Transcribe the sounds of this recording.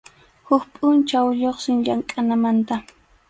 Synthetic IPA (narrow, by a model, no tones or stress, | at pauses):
hʊkpʼʊnt͡ʃawʎoχsɪŋʎaŋkʼanamant̪a